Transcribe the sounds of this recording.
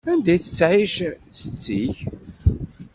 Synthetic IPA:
ænd̪æjθə̥t͡sːʕiʃsət͡sːiç

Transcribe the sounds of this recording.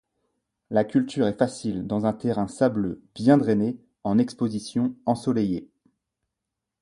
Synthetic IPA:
lakʲylt̪yʁɛfasild̪ɑ̃zɛ̃t̪eʁɛ̃sabløb̥jɛ̃d̪ʁene | ɑ̃nɛkspozisjɔ̃ɑ̃sɔleje

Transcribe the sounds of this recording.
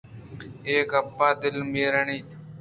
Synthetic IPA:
eːkəpːaːd̪ɪlmiːɾəɳiː

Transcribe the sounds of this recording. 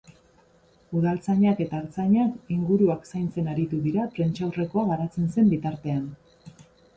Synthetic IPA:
uðalt͡saɲake̞t̪aeɾt͡saɲakiŋɡuɾuaksajnt͡se̞naɾit̪uðiɾap̪ɾe̞nt͡ʃawre̞ko̞aɣaɾat͡se̞nse̞mbit̪aɾt̪e̞an

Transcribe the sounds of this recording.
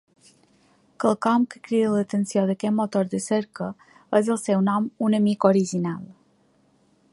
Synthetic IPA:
kəlˠkɔmkə̥kɾiðələt̪ənsioðəkɛt̪mot̪oɾd̪əsəɾkə | əzəlˠsɛwnɔmunəmikoɾiʒinalˠ

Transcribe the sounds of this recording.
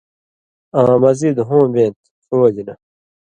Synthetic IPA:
ãːmɐzid̪ɦõːbẽːnt̪ | foːd͡ʑinɐ

